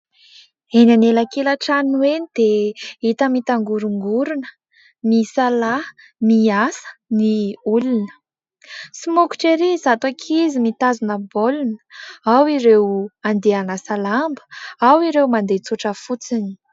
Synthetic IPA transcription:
enanelakelaʈ͡ʂanuenid̪̥eit̪əmit̪aŋɡuɾuŋɡuɾunə̥ | misala | miasə̥niulunə | simuku̥ʈ͡ʂeɾizat̪akʰizimit̪azunəbolunə̥awiɾewand̪eanəsalambə̥awiɾewmand̪et͡suʈ͡ʂəfut͡sini̥

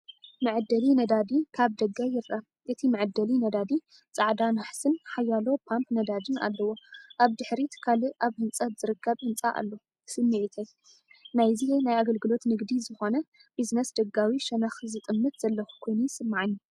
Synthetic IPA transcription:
mɨʕɨd̪ːɐlinɐd̪ad̪ikʰaβd̪ɐɡːajɪɾʔa | ʔɨt̪ʰimɨʕɨd̪ːɐlinɐd̪ad̪i | t͡sʼaʕd̪anaħsɨnħajːalo̞pʰampnɐd̪ad̪ɨna̰lːɐwo̞ʔaβd̪ɨħɾit̪ʰkʰaliʔaβhɨnt͡sʼɐz̥ɨɾɨkʰːɐβhɨnt͡sʼaʔa̰lːo | sɨmːɨʕit̪ʰɐj | najzinajaɡɐlɡɨlo̞t̪nɨɡd̪izɨxo̞nɐ | b̥iznɐsd̪ɐɡawiʃɐnaxzɨt̪ʼɨmːɨt̪z̥ɐlːɐxu̥kʰo̞jnusɨmːaʕɨnːu

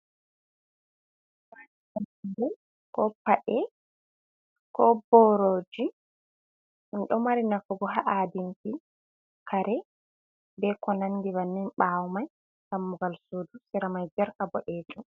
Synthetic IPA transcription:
waniaindɛn | kɔpaʔɛ | kɔbɔɾoːd͡ʒi | inɗɔmaɾinafuɡɔɦaʔadinti | kʰaɾɛ | bɛkɔnandiβanːinɓawmaj | kamːuɡalsuːdusiɾamajd͡ʒɛɾkabɔʔɛːtu

